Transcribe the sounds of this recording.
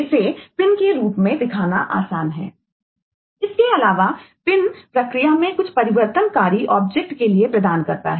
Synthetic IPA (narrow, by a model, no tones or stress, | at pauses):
sepɪnkeɾuːpmẽd̪ɪkʰaːnaʔa̰ːsaːnɦɛ̰ː | ɪskeɐlaːʋapɪnpɾɐkɾijamẽkʊt͡ʃʰpɐɾɪʋəɾt̪ənkaːɾiʔɔːb̚d͡ʒek̚ʈkeliepɾɐd̪aːnkɐɾt̪a̰ɦɛː